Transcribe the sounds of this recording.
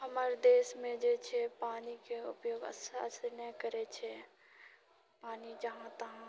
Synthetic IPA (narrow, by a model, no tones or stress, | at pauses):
ɦɐmaɾd̪eːʃmẽd͡ʒeːt͡ʃʰepaːnikeʊpjoːɡə̰ssənəkəɾet͡ʃʰe | paːnid͡ʒɐɦãt̪ɐɦã